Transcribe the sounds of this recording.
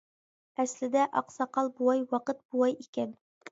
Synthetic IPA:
æslɪd̪ɛʔɑqsɑqɑlˠbuɑjwɑqət̪̚buwɑjikʲɛn

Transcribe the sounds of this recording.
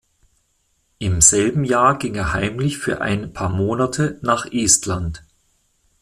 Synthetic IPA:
ʔɪmz̥ɛlbm̩jaːɐɡɪŋeːɐhaɪmlɪçfyːɐʔa̰ɪnpʰaːɐmoːnatʰənaːχʔeːstʰlant

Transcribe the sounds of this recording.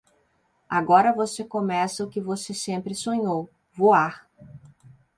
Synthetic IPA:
aɡɔɾɐvosekõmɛsɐʊkɪvosesẽmpɾɪsõɲow | voaɾ

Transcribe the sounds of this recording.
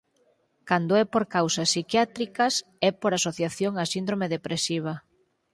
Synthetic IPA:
kand̪oɛpoɾkawsɐsːikjat̪ɾikɐs | ɛpoɾasoθjaθjoŋasind̪ɾomeðepɾesiβ̞ɐ

